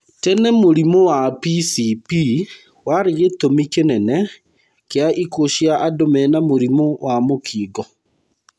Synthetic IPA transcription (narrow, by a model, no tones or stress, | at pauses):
tɛnɛmoɾimowapisipi | waɾeɣetomikenɛnɛ | keaʔikoʃjaʔadomɛnamoɾimowamokʰiːɡɔ